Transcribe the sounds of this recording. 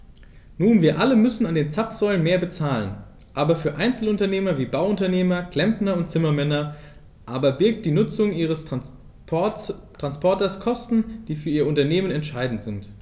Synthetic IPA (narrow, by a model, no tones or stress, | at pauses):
nuːnviːɐʔaləmʏsn̩andeːnt͡sapz̥ɔʏlənmeːɐbət͡saːlən | ʔaːbɐfyːɐʔaɪnt͡sl̩ʊntɐneːmɐviːbaʊʊntɐneːmɐkl̥ɛmpnɐʊnt̚t͡sɪmɐmɛnɐ | ʔaːbɐbɪɐk̚t̚d̥iːnʊt͡sʊŋʔiːʁəs | tʁ̥anspʰɔɐtɐskʰɔstn̩d̥iːfyːɐiːɐʊntɐneːmənɛntʃaɪdn̩tz̥ɪnt